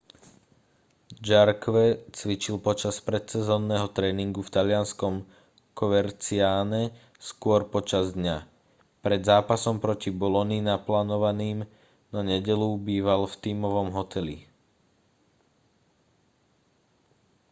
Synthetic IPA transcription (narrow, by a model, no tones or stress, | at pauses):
d͡ʒaɾkʋɛt͡sʋit͡ʃilpɔt͡ʃaspɾɛt̪sɛzɔːnːɛːɦɔt̪ɾɛːniŋɡuft̪alɪanskɔm | kɔʋɛɾt͡siaːɲɛ | skʊɔɾpɔt͡ʃazd̪ɲa | pɾɛd̪zaːpasɔmpɾɔcibɔlɔninaplaːnɔʋaniːm | nɔɲɛɟɛlubiːʋalft̪iːmɔʋɔmɦɔt̪ʰɛlḭ